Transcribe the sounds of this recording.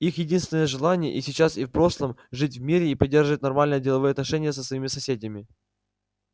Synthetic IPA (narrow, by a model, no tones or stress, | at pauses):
ixjɪdʲinst̪vʲɪnəjəʐɨlˠanʲɪjə̰ʔisʲɪt͡ɕasifpɾo̞ʂlˠəmʐɨt̬ʲvmʲiɾʲɪipɐdʲːerʐɨvət̚ʲnɐrmalʲnəjədʲɪlˠɐvɨjəɐt̪nɐʂɛnʲɪjəsəsvɐimʲɪsɐsʲedʲəmʲɪ